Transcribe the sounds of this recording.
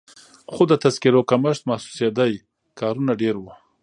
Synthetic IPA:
xod̪ət̪azkiɾokamaʃt̪mahsu̥sed̪aj | kɑɾunaɖeɾwu

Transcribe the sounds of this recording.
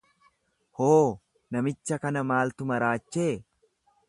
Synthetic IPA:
hoː | nɐmɪt͡ʃːɐkɐnɐmaːlt̪ʊmɐɾaːt͡ʃːeː

